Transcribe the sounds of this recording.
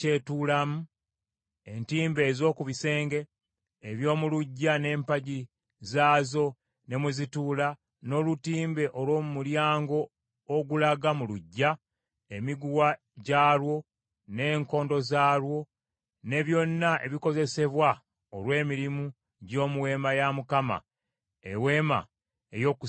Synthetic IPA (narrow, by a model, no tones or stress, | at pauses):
ce̞tuːlamu | e̞ntiːmbe̞ːzo̞ːkuβise̞ːŋɡe̞ː | βjo̞ːmuluɟːane̞ːmpaɟi | zaːzo̞ | ne̞muzituːla | no̞ːlutiːmbe̞ʔolwo̞ːmumuljaːŋɡo̞ː | ɡulaɡamuluɟːa | emiɡuwa | ɟaːlwo̞ | ne̞ːŋko̞ːndo̞zaːɾwo̞ | ne̞βjo̞nːaʔe̞βiko̞ze̞se̞βwa | olwe̞ːmiɾimu | ɟo̞ːmuwe̞ːmajamukama̰ | ḛwe̞ːma̰ | ejo̞ku